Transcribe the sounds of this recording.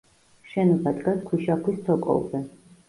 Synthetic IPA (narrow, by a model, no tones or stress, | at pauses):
ʃɛnɔbad̪ʼɡaskʰwiʃakʰwist̪ʰɔkʼɔ̰wzɛ